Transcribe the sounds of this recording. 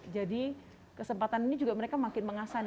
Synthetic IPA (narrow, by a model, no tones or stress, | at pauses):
d͡ʒadi | kəsəmpat̪aninid͡ʒuɡaməɾekamakɪnməŋasan